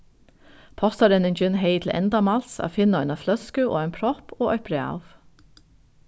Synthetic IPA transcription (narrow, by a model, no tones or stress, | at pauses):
pʰɔst̪ɑɾɛnend͡ʒʏnheɪt̪ʰl̩ʔɛ̰nd̪ɑmɑlsɑ̰ːfɪnɑœnɑflœskʉʔo̰ːeːnpʰɾɔpʰoːʔœʏpɾɛɑ̰ːʋ